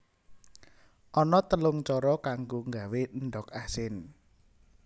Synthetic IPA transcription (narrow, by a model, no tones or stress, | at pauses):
ʔɔnɔt̪əlʊŋt͡ʃɔɾɔkaŋɡoŋɡawenɖɔkasɪn